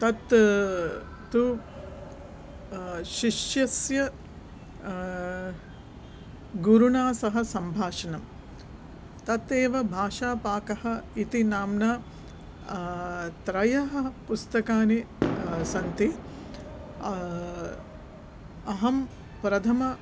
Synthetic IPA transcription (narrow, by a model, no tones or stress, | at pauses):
t̪ɐt̪ | t̪u | ʃiʃjɐsjɐ | ɡuɾunaːsɐɦɐ̆sɐmbʱaːʂɐnɐm | t̪ɐt̪eːʋɐbʱaːʂaːpaːkɐhɐ̆it̪inaːmnɐ | t̪ɾɐjɐɦɐ̆pust̪ɐkaːni | sɐnt̪i | ɐɦɐm | pɾɐt̪ʰɐmɐ